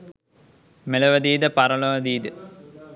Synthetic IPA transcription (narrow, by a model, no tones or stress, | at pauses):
melɐʋɐd̪iːd̪əpaɾɐlɐʋɐd̪iːd̪ə